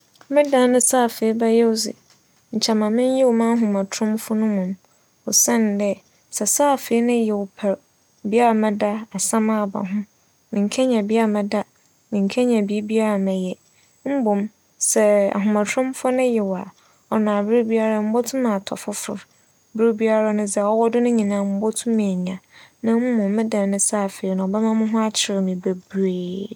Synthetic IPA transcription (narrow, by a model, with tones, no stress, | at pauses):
mɪ̃˦dã˨˦nʊ̃˦sa˦˨fe˨i˦bɛ˦jɛ˦wʊ˦sɪ̰˨ | ɲ̩˨t͡ɕʰa˨mã˨mɪ̃˦n˦jɛ˦wɔ˨mã˦a˦ɦũ˨mã˨tʰɾʊ̃˦mfʊ˦nʊ̃˦mʊ̃˨m | ɔ˨sɛ̃˦n˨dɛ˦ | sɛ˨saː˦˨fe˨˦i˦nʊ̃˦jɛ˨wʊ˨pʰɛ˨ɾ | bi˦a˦ɾa˨mɛ̃˦da˦a˨sã˦mã˦˨ba̰˨ɦʊ̃˦ | mɪ̃˨ŋ˨kʰɛ˦ɲã˨bi˦a˦a˨mɛ̃˨da˦ | mɪ̃˨ŋ̩˨kʰɛ˦ɲɛ̃˨bi˦bi˦a˦ɾa˨mɛ̃˨jɛ˨ | m̩˦bo˨m | sɛ˦˨a̰˨ɦʊ̃˨mã˨tʰʊ̃˦mfʊ˦nʊ̃˦jɛ˨wa˨ | ɔ˨nã˨bɪ˦ɾʊ˦bi˦a˦ɾa˦˨m̩˦bɔ˦tʰʊ̃˦mã˨tʰɔ̰˨fʊ˦fʊ̰˨ɾ | bɪ˦ɾʊ˦bi˦a˦ɾa˦nʊ̃˦d͡zɛ˨ɔ˦wɔ˦dʊ˦nʊ̃˦ɲĩ˨nãː˨˦m̩˦bɔ˦tʰʊ̃˦mɪ̃˨ɲã˨nã˦m̩˦mʊ̃˨˦mɪ̃˦dã˨n˨nʊ̃˦saː˦˨fe˨i˨˦nʊ̃˨ɔ˨bɛ˦mã˦mʊ̃˦ɦʊ̃˦a˦t͡ɕʰɪ˨ɾɪ˨mĩ˨be˨beː˨